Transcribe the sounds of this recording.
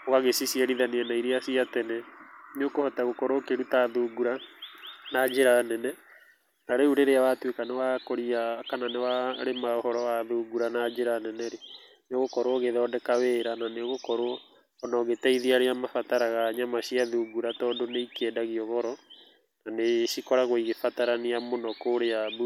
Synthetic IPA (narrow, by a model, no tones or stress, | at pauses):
waɣesisiɛɾiðaneanaiɾeasiatɛnɛneokohɔtaɣokɔɾokeɾutaðuːɡuɾa | nad͡ʒeɾanɛnɛ | naɾeuɾeɾeawatwekanewakoɾiakananewaɾemahɔɾɔwaðuːɡuɾanad͡ʒeɾanɛnɛɾe | neoɣokɔɾoɣeðɔdɛkaweɾananeɣokɔɾoː | nɔɣetɛiðiaɾeamafataɾaɣaɲamaʃiaðuɡuɾatɔːdoneikɛdaɣiɔɣɔɾɔ | naneʃikɔɾaɣoiɣefataɾaniamonɔkoɾeaðu